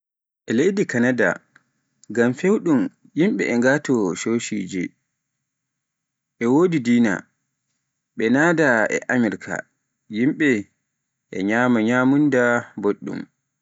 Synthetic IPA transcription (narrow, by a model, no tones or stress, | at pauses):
ʔɛlejdikanada̰ | ɡamfewɗum | jimɓɛɛŋɡatɔʃoːʃid͡ʒi | ʔɛwoːdidiːna̰ | ɓɛnaːdaʔɛ̰ʔamɛɾkʰa̰ | jimɓɛ | ʔɛ̰ɲamaɲamundaboɗːṵm